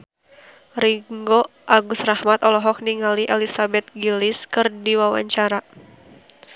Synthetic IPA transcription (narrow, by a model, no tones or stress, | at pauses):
riŋɡɔʔaɡusrahmat̪ɔlɔɦɔk̚niŋaliʔelisabɛt̪̚ɡilɪskɨrdiwawa̰ɲt͡ʃaɾa